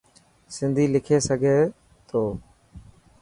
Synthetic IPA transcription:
sɪnd̪ʱiːlɪkʰeːsəɡʱeː | t̪ʰoː

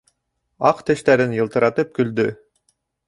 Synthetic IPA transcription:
ɑqt̪ɘ̆ʃt̪æɾɘnjɤ̆lˠt̪ɤ̆ɾɑt̪ɤp̚kɵ̆ld̪ɵ

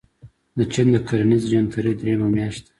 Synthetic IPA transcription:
d̪ət͡ʃind̪əkʰaɾanizd͡ʒant̪uɾid̪ɾemamjaʃt̪ḁ

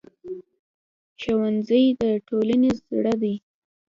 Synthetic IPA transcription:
ʃawanzəjd̪əʈolanezɽəd̪a

